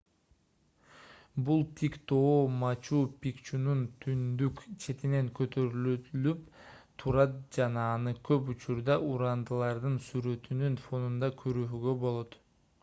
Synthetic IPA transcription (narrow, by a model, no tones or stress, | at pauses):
bulˠt̪ʰikt̪ʰoːmɑt͡ʃuːpʲikt͡ʃununt̪ʰynd̪ykt͡ʃʰe̞t̪ine̞ŋkøt̪ʰø̞ɾyløt̪ylypt̪ʰuɾɑt̪̚d͡ʒɑnɑːnɯkʰøp̬ut͡ʃuɾd̪ɑʔuɾɑnd̪ɯlˠɑɾd̪ɯnsyɾø̞t̪ynynfo̞nund̪ɑkʰøɾyɦyɡø̞bo̞lˠo̞t̪